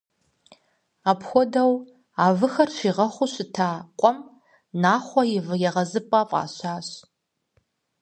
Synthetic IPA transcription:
aːpxʷɔdɐw | aːvɨxɐrʃʷiːʁɐχʷʊɕɪtʰaːqʷʼɔm | naːχʷɔjɪvɨjɛʁɐzɨpʼaːfʼa̰ːɕaːɕ

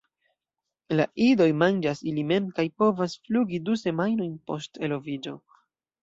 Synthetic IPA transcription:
laʔido̞jmand͡ʒasilime̞mkajpo̞vasfluɡiduse̞majno̞jnpo̞ste̞lo̞vid͡ʒo̞̰

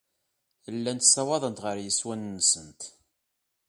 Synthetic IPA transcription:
lːænt̪sɑwɑðˤənt̪ʁəɾjəswænːəsənt̪

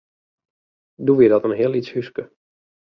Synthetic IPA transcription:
duʋɪdɔtənɦɪəlˠitshyskə

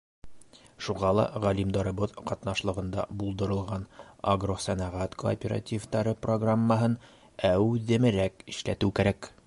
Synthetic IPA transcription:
ʃuʁɑlˠɑ̰ʁælimd̪ɑɾɤ̆βɤðqɑt̪nɑʃlˠɤ̆ʁɤ̆nd̪ɑ̰bulˠd̪ɤ̆ɾɤ̆lˠʁɑnɐɡrosænɑʁæt̪ko̰ːpʲeɾa̰tʲivt̪ɑɾɤproɡramːɑɦɤn | æwʉðɘ̆mɘ̆ɾækɘ̥̆ʃlæt̪ɘwkæɾæk

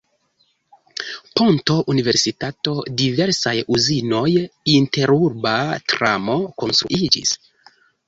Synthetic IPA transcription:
po̞nto̞ʔunive̞ɾsitato̞dive̞ɾsajuzino̞jinte̞ɾuɾbatɾa̰mo̞ko̞nst̪ɾṵʔid͡ʒḭs

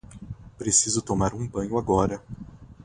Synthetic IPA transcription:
pɾesizʊt̪omaɾũbɐ̃ɲʊaɡɔɾɐ

